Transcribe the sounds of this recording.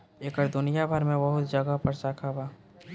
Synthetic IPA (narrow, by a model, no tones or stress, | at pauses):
eːkəɾd̪ʊnɪjabʱɐɾmẽbɐɦʊt̪d͡ʒəɡapəɾt͡ʃaːkʰabaː